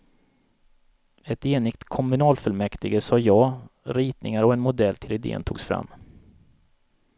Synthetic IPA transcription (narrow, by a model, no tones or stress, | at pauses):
ɛt̪eːnɪkt̪kʰɔmɵnɑːlfœlmɛkt̪ɪɡəsɑːjɑːɾiːt̪nɪ̰ŋaɾɔɛnmʊd̪ɛlːt̪ʰɪlɪd̪ḛːə̰nt̪ʰṵːɡsfɾa̰mː